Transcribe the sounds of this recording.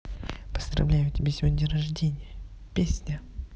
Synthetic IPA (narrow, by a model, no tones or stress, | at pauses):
pə̥zd̪ɾɐ̰vlʲæjʊtʲɪbʲesʲɪvodʲnʲəɾɐʐdʲenʲɪjə | pʲesʲnʲə